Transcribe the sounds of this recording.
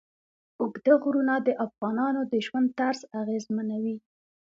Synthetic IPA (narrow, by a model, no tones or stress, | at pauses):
ʊɡd̪aɣɾunad̪əʔafɣɑnɑnod̪əʒwand̪̚t̪aɾzaɣezmanawi